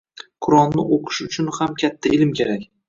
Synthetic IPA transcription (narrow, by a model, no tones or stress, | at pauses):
qʰʊɾɒnːɪʔoqʰɨ̥ʃʊt͡ʃʰʊnhamkʲʰat̪ʰːaʔɪlmkʲʰeɾakʲ